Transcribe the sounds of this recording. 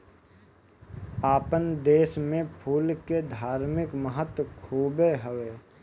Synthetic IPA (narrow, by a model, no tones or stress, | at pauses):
aːpənd̪eːʃmẽpʰuːlked̪ʱaːɾmɪkməɦət̪wəkʰuːbeɦəʋeː